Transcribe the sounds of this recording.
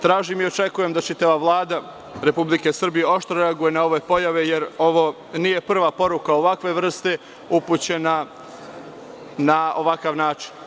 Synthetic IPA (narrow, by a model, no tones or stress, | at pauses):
t̪ɾaːʒimio̞t͡ʃe̞kuje̞md̪at͡ʃit̪aʋaʋlˠaːd̪a | ɾe̞publike̞srbije̞o̞ʃt̪ɾoɾeaɡuje̞nao̞ʋe̞po̞jaʋe̞jeɾo̞ʋo̞ | nije̞pr̩ʋapo̞ɾukao̞ʋakʋe̞ʋr̩st̪e̞ | uput͡ɕe̞na | nao̞ʋakaʋnaːt͡ʃi̥n